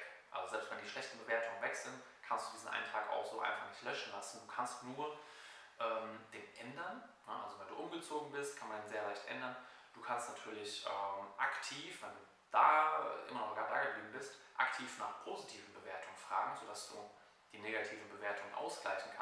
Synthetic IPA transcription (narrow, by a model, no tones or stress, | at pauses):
ʔa̰lzozɛlpstvɛndiːʃlɛçtn̩bəveːɐtʰʊŋənvɛkz̥ɪnt | kʰanstd̥uːdiːzn̩ʔa̰ɪntʰaːka̰ʊxz̥oːʔa̰ɪnfaχnɪçtlœʃn̩lasn̩duːkʰanstnuːɐʔɛːmd̥eːnʔɛndɐnnəʔa̰lzovɛɪnduːʔʊmɡət͡soːɡŋ̩bɪst̚kʰanmandeːnzeːɐlaɪçtʔɛ̰ndɐn | d̥uːkʰanstnatʰyːɐlɪçʔɛːmʔa̰ktʰiːfvɛnduː | d̥aːɛʔɪ̰mɐnɔχɡ̥aːd̥aːɡəbliːbm̩bɪstʔa̰ktʰiːfnaːχpʰoːzitʰiːvn̩bəveːɐtʰʊŋənfʁ̥a̰ːɡŋ̩zodasd̥uː | d̥iːneːɡatʰiːvn̩bəveːɐtʰʊŋənʔa̰ʊsɡ̥laɪçn̩kʰa